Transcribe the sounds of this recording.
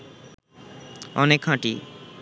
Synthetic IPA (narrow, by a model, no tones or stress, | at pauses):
ɔ̰nekhãʈḭ